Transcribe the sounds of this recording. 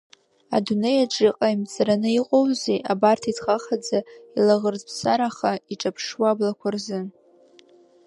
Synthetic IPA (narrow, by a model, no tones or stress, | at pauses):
a̰dune̞jaʈ͡ʂʼiqʼaimt͡sʰʼaɾanɨiqʼowzeʔabartʰitʰχaχad͡zailaʁərzpʰsaɾaχaiʈ͡ʂʼapʰʂwablakʷʰarzɨn